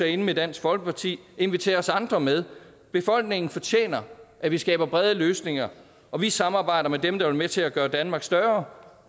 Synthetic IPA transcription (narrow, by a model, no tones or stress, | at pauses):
æe̝nəmed̥æn̰sɡ̥fɒ̽lɡ̥əpʰɑ̈t͡sʰḭːe̝nʋit͡sʰe̝̰ːɐɒsɑ̈nd̥ʁɐmeðˠ | b̥e̝fɒ̽l̰ɡ̥̚ne̝ŋn̩fɒ̽t͡ɕʰjḛːnɐʔæʋisɡ̥ɛ̰ːb̥ɐb̥ʁɛð̞ˠəløːsne̝ŋɐ | ʔɒ̽ʋisɑ̈mɑ̈ːb̥ɑ̈ɪ̰d̥ɐmed̥emd̥ɑ̈ʋɐmet͡sʰe̝læɡ̥ɶːɐd̥ænmɑ̈ːɡ̥sd̥ɶɐ